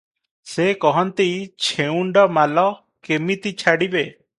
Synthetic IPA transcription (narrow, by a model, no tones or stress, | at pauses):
sekɔɦɔnt̪it͡ʃʰeuɳɖɔmalɔ | kemit̪it͡ʃʰaɽibe